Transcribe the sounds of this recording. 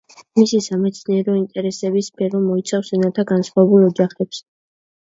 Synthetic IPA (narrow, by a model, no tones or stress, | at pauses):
misisamɛt̪sʰniɛɾɔint̪ʼɛɾɛsɛbispʰɛɾɔmɔit̪sʰafsɛnat̪ʰaɡansχwavɛbulˠɔd͡ʒaχɛps